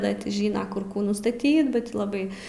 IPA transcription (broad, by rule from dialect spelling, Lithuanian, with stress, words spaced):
ˈdɐ tʲɪ ˈʒʲɪnɐ kʊr ˈkuː nʊstɐˈtʲiːt bɐ ˈtʲiː lˠɐˈbɐɪ